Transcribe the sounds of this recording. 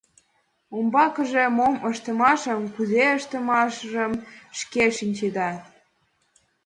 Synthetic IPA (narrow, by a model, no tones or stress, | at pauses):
ombɑkəʒemoməʃt̪ə̆mɑʃəmkuzeəʃt̪ə̆mɑʃʒəmʃkeʃinʲt͡ɕed̪ɑ